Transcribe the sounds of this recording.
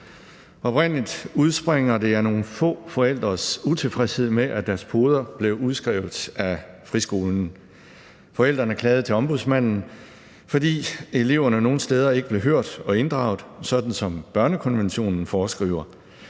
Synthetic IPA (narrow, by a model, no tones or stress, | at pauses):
ɒ̽b̥ʁɛn̰lid̥uð̞ˠsb̥ʁeŋ̰ɐd̥e̝æɐno̝ːn̩fɔ̰̽ːfɒ̽el̰d̥ʁɐsut͡sʰe̝lfʁɛshe̝ð̞̰ˠmeʔæd̥æɐspʰo̝ːð̞ˠɐb̥le̝ʊuð̞ˠsɡ̥ʁɛʊð̩ˠæ | fʁisɡ̥o̝ːln̩ | fɒ̽el̰d̥ʁɐnæɐkʰlɛːð̞̩ˠt͡sʰe̝ɒ̽mb̥uðˠsmæn̰n̩ | fɒ̽d̥ḭːe̝le̝ʊɐnəno̝ːn̩sd̥eːð̞ˠɐe̝ɡ̥əb̥le̝ɦøɐ̰d̥ɒ̽e̝nd̥ʁɑ̈ʊð̩ˠsɒ̽d̥n̩sɒ̽mb̥ɶɐnəkʰɒ̽nʋenɕo̝̰ːnn̩fɒːsɡ̥ʁḭːʊɐ